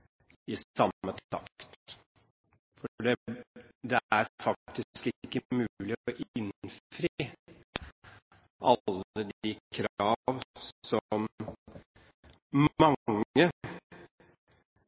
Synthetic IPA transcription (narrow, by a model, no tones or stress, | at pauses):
ɪsɑmːət̪ɑ̰kt̪ | fɔɖɛd̪ɛæɾfɑk̚t̪ɪkɪkːəmʉlɪɔʔɪnfɾiː | ʔɑlːəd̪ɪkʰɾɑːʋsɔm | ɑŋŋə